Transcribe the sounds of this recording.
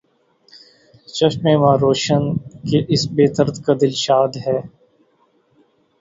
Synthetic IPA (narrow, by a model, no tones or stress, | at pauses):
t͡ʃɐʃmẽːmãːɾoːʃənkeʔɪsbeːt̪əɾt̪kad̪ɪlʃaːd̪ɦɛː